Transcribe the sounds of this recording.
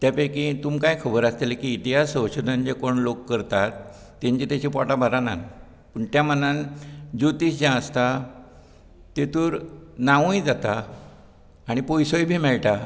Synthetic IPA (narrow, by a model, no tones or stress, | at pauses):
t̪japekit̪umkãjkʰəbəɾast̪elekiːt̪iɦasəɕod̪ʱənd͡ʑekoɳlokːəɾt̪at̪ː | ẽɲt͡ɕit̪jat͡ɕipɔʈabʱaɾana̰n | pəɳt̪jamənãnd͡ʑot̪iːsd͡ʑãəst̪a | t̪et̪uːɾnaʋũjd͡zat̪a | ɽ̃ipojsojbʱiːmɛɭʈa